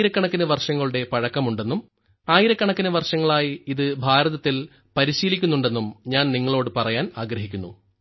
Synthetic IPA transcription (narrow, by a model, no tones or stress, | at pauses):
iɾɐkːɐɳɐkːinɐʋɐrʂɐŋːɐɭuɽe̞pɐɻɐkːɐmuɳɖe̞nːum | aːjiɾɐkːɐɳɐkːinɐʋɐrʂɐŋːɐɭaːjiiðɨbʱaːɾɐðɐt̪ːil | pɐɾiɕiːlikʲːunːuɳɖe̞nːumɲaːnniŋːɐɭo̞ːɽɨpɐrɐjaːnaːɡɾɐɦikʲːunːu